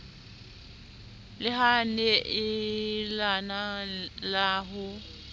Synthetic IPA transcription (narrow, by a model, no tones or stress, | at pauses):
lɪɦanɛʔɪlanalaːɦʊ